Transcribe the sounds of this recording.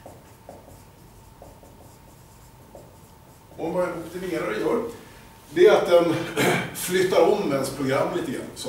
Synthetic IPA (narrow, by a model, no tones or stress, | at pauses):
ɔbɑɛnɔpt̪ɪmeːɾaɾɪjœːɾ | d̪ɛæat̪̚d̪ɛnflʏt̪ːaɾɔmːɛnspʰɾʊɡɾamːliːt̪əɡɾa̰nːs